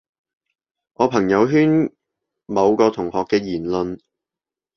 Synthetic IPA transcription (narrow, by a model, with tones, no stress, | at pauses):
ŋɔː˨˧pʰɐ˨˩ŋjɐ˨˧wɦyː˥n | mɐ˨˧wkɔː˧t̪ʰʊ˨˩ŋhɔː˨kːɛː˧jiː˨˩nlɵ˨n